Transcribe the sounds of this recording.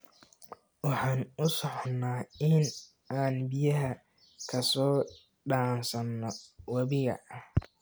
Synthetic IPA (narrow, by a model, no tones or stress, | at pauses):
wɑħaːnʊsɔħɔnːaːɪn | aːnbɪjɐɦɐ | kʰɐsɔː | ɖaːnsɐnːɔwɐβɪɣɐ̰ɐh